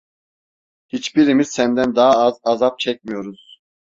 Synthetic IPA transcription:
hit͡ʃbiɾimiz̥sænd̪ænd̪ɑɦaɑzɑzɑp̚t͡ʃʰɛc̚ʲmijo̞ɾuz̥

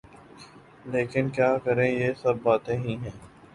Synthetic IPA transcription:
leːkɪnkjaːkɐɾẽjeːsɐbːaːt̪ẽɦĩɦɛ̃ː

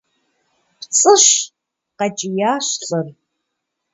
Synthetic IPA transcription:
pt͡sʼɨɕ | qɐt͡ʃʼijaːɕɬʼɨr

